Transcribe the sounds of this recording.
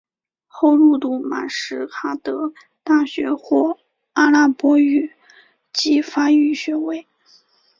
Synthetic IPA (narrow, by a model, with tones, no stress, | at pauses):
xo˥˧ʊlu˥˧t̪u˥˩ma̰˨˩ʂɻ̩˧˥kʰa˥t̪ɤ˧˥ | t̪a˥˩ɕɥɛ˧˥xwɔ˥˩ | a˥la˥˩pwɔ˥y˥˩ | t͡ɕi˧˥fa˥y˥˩ɕɥɛ˧˥we˧˥ɪ